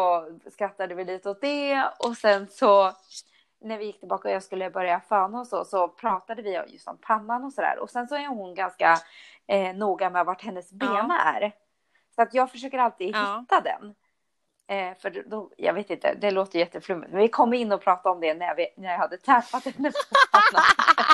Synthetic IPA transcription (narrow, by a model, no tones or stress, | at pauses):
ɔskɾat̪ːad̪əvɪliːt̪əɔt̪̚d̪ɛɔsɛnsɔ | næɾvɪjɪkːt̪ɪbɑːkaɔjɑːɡskɵlːəbœɾjafɑːnaɔsɔsɔpʰɾɑːt̪ad̪əvɪ̰jɵ̰st̪ɔ̰mpʰanːanɔsɔd̪æ̰ːɾʔɔ̰sɛnsɔæɾhʊnɡanska | nuːɡamɛvaʈhɛnːəsbeːmaæ̰ɾ | sɔat̪jɑːɡfœʂøːkəɾalt̪ɪhɪt̪ːad̪ɛ̰n | fœɖd̪ɔjɑ̰ːveːt̪ɪnt̪ʰə̰d̪ɛloːt̪əjʏjɛt̪ːəflɵmːɪt̪̚mɛnvɪkʰɔmːɪnːɔpʰɾɑːt̪aɔmd̪ɛnæjvɪnæjahad̪ːət̪ʰɾɛfat̪hɛnːəsɔpʰaa